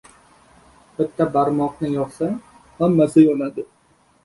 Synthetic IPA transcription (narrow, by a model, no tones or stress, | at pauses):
b̥ɪt̪ːabaɾmɒqnɪjɒqsaŋ | hamːasɪjonad̪ɪ